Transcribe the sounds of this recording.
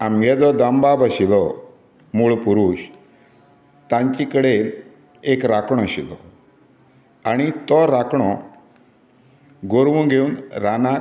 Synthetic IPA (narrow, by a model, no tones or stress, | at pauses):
amɡʱɛd͡zɔd̪ambabəɕilɔ | muɭpuɾuːɕ | t̪ãɲt͡ɕikəɽel | ekɾakɳ̃ɔəɕilɔ | aɽ̃it̪ɔɾakɳ̃ɔ | ɡoɾʋũɡʱeuːnɾana